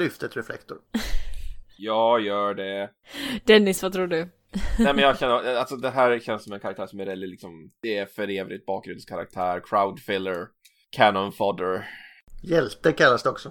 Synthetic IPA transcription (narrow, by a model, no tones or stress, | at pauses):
lʏft̪ət̪ɾɛflɛ̰kt̪ʊɾ | jɑːjœːɖɛ | d̪̥ɛnːɪsvat̪ʰɾuːɖɵ | ɛmɛnjɑɕɛnːəɾalsɔd̪ɛɦæːɾɕɛnsɔmɛnkʰaɾak̚t̪ʰæːʂɔmɛɾɛlɪlɪksɔmd̪̥ɛːɾfœɾeːvɾɪt̪̚bɑːk̚ɡɾʉnskʰaɾa̰k̚t̪ʰæːɾkʰɾaʊd̪fɪlːəɾ | kʰænɔnfɔd̪əɾ | jɛlt̪əɾkʰalːasd̪ɛɔksɔ